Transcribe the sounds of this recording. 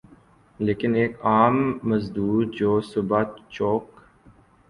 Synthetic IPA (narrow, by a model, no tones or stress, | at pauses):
leːkɪneːkaːmːɐzd̪uːɾd͡ʒoːsʊbat͡ʃoːk